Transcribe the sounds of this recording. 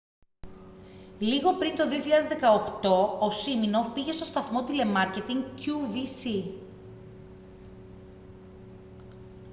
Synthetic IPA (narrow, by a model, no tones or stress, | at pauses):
liɣo̞pɾint̪o̞ðioçiʎɐðezðe̞kɐoxt̪o̞osiminopiʝe̞st̪ost̪ɐθmo̞t̪ile̞mɐɾce̞t̪iŋɡcuvisi